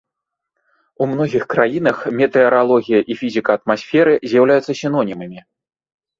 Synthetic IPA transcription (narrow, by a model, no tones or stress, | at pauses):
umn̪ɔɣʲixkɾajinɐxmʲɛt̪ɛɛɾalˠɔɣʲijɐʔifʲizʲikɐːt̪masʲfʲɛɾɨzʲjawlʲajut̪sɐsʲinɔnʲimɨmʲi